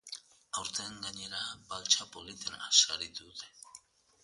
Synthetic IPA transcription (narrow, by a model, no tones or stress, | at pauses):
awɾt̪eŋɡaɲe̞ɾabalt͡ʃapolit̪ena̰saɾit̪uðe̥